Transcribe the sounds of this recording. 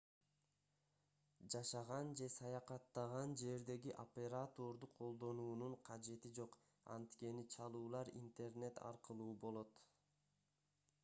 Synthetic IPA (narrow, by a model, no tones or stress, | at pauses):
d͡ʒɑʃɑʁɑnd͡ʒe̞sɑjɑqɑt̪ːɑʁɑnd͡ʒe̞ɾd̪e̞ɡiʔopʲe̞ɾat̪o̞ɾd̪uqʰo̞lˠd̪o̞nuːnuɴqʰɑd͡ʒe̞t̪id͡ʒo̞q | ɑ̰nt̪ke̞nit͡ʃʰɑlˠuːlˠɑɾḭnt̪e̞rne̞t̪ʰɑ̰ɾqɯlˠuːbo̞lˠo̞t̪